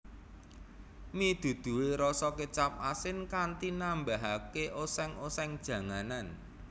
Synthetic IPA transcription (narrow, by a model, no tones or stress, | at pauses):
mid̪̥ṳd̪̥ṳweɾɔsɔket͡ʃap̚asɪnkant̪inambaɦakeʔosɛŋosɛŋd̥ʒ̥ä̤ŋanan